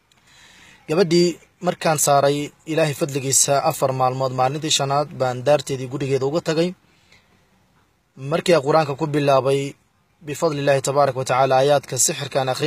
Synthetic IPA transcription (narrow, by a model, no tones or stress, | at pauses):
ɡ̥ɐβɐɖiː | mɐrkʰaːnsaːɾɛjɪlaːɦɛjfɐd̪lɪɣiːsɐʔɐfɐrmaːlmɔːd̪maːlɪnt̪ʰiːʃɐnaːd̪baːnd̪aːrt̪ʰɛːðiːɡʊɾɪɣɛːðɐʊɣʊt̪ʰɐɣɛj | mɐrkʰiːɐqʊɾaːŋkʰɐkʰʊbɪlːaːβɛj | bɪfɑðˤlɪlːaːhɪt̪ʰɐβaːɾˤɐkʰɐwɔt̪ʰɐʕaːlaːjaːd̪kʰɐsɪħɪrkʰɐːnɐχɾɪ